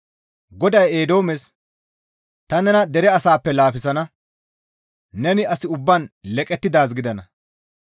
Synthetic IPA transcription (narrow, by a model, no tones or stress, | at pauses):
ɡɔd̪ɐjeːd̪o̞ːmɛs | t̪ɐnɛnɐd̪ɛɾɛɐsaːpːɛlaːfɪsɐnɐ | nɛnɪɐsɪʊbːanlɛkʼɛt̪ːɪd̪aːs̬ɡɪd̪ɐnɐ